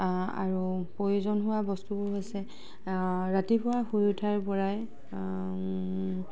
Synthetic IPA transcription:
a̰ɹupɹɔjozɔnɦʊwabɔstubʊɹɦojsɛ | ɹatipʊwaxujutʰaɹpɔɹaj

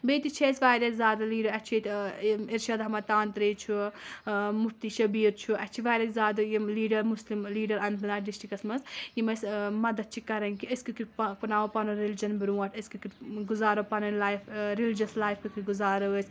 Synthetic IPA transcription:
bet̪it͡ʃʰesʲʋaːjd̪ɐkzaːd̪ɐliːɖɐɾɐt͡ʃʰet̪iɾʃad̪ɦɐmɐt̪aːnt̪ɾɐːt͡ʃʰu | muf̚t̪iʃɐbiːɾt͡ʃʰuʔɐt͡ʃʰiʋaːjd̪ɐkzaːd̪ɐjiliːɖɐɾmuslimliːɖɐɾɐnbʰɨnaːɖisʈikɐsmɐsjimɐsmɐd̪ɐd̪̚t͡ʃʰikɐɾɐnkiɐskɨkippɐnaːʋɐpɐnɐɾelid͡ʒɐnbɨɾuːɐʈʰɐskɨkiɡuzaːɾɐpɐnɐlaːjfɾilid͡ʒɐslaːjfkukʰiɡuzaːɾɐʋɐs

